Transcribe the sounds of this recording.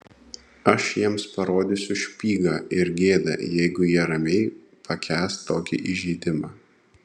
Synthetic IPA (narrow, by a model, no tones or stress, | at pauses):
ɐʃjiɛmspɐɾoːd̪ʲɪsʲʊʃʲpʲiːɡɑːɪɾɡʲeːd̪ɐ̰jɛɪɡʊjiɛɾɐmʲɛɪ | pɐkʲʰæːst̪ːoːkʲḭʔɪʒʲiːd̪ʲɪmɑː